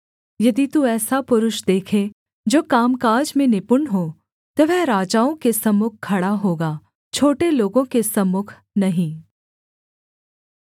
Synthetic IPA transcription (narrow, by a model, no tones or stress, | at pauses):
jɐd̪it̪uɛːsapʊɾʊʃd̪eːkʰe | d͡ʒoːkaːmkaːd͡ʒmẽnɪpʊɳɦoː | t̪oʋɛɾaːd͡ʒaːõkesɐmːʊk̚ʰkʰːɐɽaɦoːɡaː | t͡ʃʰoːʈeloːɡõkesɐmːʊkʰ | nɐɦĩː